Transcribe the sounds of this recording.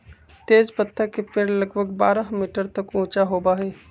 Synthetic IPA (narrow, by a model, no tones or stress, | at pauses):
t̪eːd͡ʒpət̪ʰːəkepeɾləɡbʱəɡbaːɾaɦmiːʈəɾt̪əkũːt͡ʃaɦoːbaɦɛː